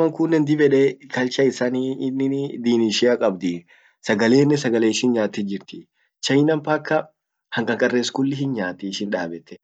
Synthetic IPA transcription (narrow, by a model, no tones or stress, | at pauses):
mɐŋkʊnːɛnd̪ɪbɛᶑekɐlt͡ʃɐɪsaniɪnːɪd̪iːnɪʃɪɐkʼɐbd̪ɪ | sɐɡɐle̞ːnːɪsɐɡɐleːɪʃɪnɲaːt̪ːɛd͡ʒɪɾt̪ɪ | t͡ʃɐjnɐmpɐkːɐ | hɐŋkʼɐŋkʼɐrːeːskʊlːɪɦɪnɲaːt̪ɛʃɪnᶑaːbɛt̪ːɛ̥